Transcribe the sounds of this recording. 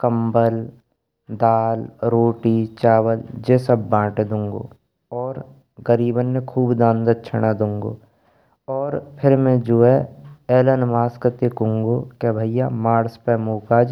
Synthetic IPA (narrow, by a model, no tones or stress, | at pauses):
kɐmbəl | d̪aːlɾoːʈit͡ʃaːʋəld͡ʒeːsəbːãːʈed̪ũːŋɡo̰ː | ɔːɾ | ɡəɾiːbənːẽkʰuːbd̪ãːnd̪ət̪̚t͡ʃʰɐɽ̃ad̪ũːŋɡo̰ː | ɔːɾpʰɪɾmɛ̃d͡ʒoːeɛːlənmaːskət̪ekʊ̃ŋɡokebʱəijamaːɾspɛmoːkaːd͡ʒ